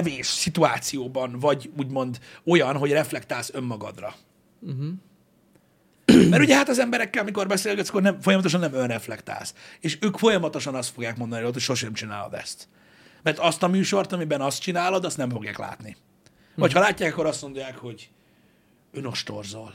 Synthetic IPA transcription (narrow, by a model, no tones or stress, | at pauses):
ɛveːʃsit̪uaːt̪sijoːbɒnvɒɟuːɟmo̞nd̪o̞jɒnɦo̞ɟrɛflɛkt̪aːlsø̞mːɒɡɒ̰d̪rɒ̰ | mɛɾuɟɛɦat̪ɒzɛmbɛɾɛkːɛlɒmiko̞rbɛseːlɡɛt̪skornɛmfo̞jɒmɒt̪oʃɒnːɛmønrɛflɛkt̪a̰ːlseːʃøːkfo̞jɒmɒt̪o̞ʃɒnɒst̪fo̞ɡjaːkmo̞nd̪ɒniɾot̪ocʃo̞rʃɛɛmt͡ʃina̰ːlo̰d̪ɛ̰st̪ | mɛrt̪ɒst̪ɒmyːʃo̞rt̪ɒmibɛnɒst̪t͡ʃinaːlo̞d̪ɒst̪nɛɱfo̞ɡja̰ːkla̰ːt̪ni | vɒchɒlaːcːaːkɒkːo̞ɾɒst̪mo̞nd̪ojaːkhoɟ | øno̞ʃt̪o̞̰rzol